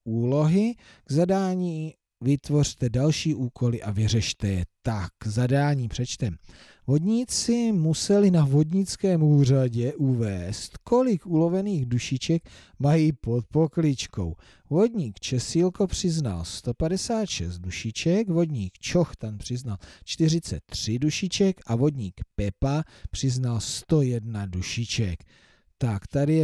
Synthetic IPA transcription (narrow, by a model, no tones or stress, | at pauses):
ʔuːlo̞ɦɪ | ɡ̥zadaːɲiː | vɪt̪vo̞r̝̥t̪ɛdalʃiːʔuːkʰo̞lɪʔavɪrɛʃt̪ɛjɛt̪akːzadaːɲiːpr̥ɛt͡ʃt̪ɛm | vo̞dɲiːt͡sɪmusɛlɪnavo̞dɲɪt͡skɛːmuːr̝aɟɛʔuvɛːst̪ko̞lɪkuːlo̞vɛniːɣduʃɪt͡ʃɛk | majiːpo̞t̪̚po̞klɪt͡ʃko̞̰w | vo̞dɲiːkt͡ʃɛsilko̞pr̝̥ɪzna̰lst̪o̞padɛsaːt̪ʃɛst̪̚duʃɪt͡ʃɛkvo̞dɲiːkt͡ʃo̞xt̪anpr̥ɪznalt͡ʃt̪ɪr̝ɪt͡sɛ̰t̪ːr̝̥ɪduʃɪt͡ʃɛkʔavo̞dɲiːkpɛpa | pr̥ɪznalst̪o̞jɛdnaduʃɪt͡ʃɛk | t̪akt̪adɪjɛ